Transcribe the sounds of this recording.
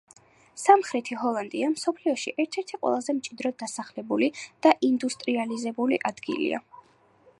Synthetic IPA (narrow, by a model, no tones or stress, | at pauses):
samχɾɛt̪ʰiɦɔlˠand̪iamsɔpʰliɔʃḭʔɛɾt̪ʰɛɾt̪ʰiqʼwɛ̰lˠazɛmt͡ʃʼid̪ɾɔd̪asaχlɛbulid̪̥aʔind̪ust̪ʼɾializɛbuliʔad̪ɡḭlḭa̰